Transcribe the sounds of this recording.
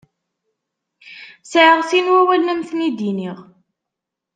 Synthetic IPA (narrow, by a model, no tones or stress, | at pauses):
sʕəʁsinwæwælːəmθnid̪iniʁ